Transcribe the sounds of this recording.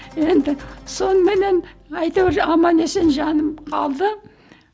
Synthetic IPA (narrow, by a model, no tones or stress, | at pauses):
je̞nd̪ɪso̞nəme̞ne̞nɑjt̪ɑweɾɑmɑne̞se̞nʒɑnəmqʰɑ̰lˠd̪ə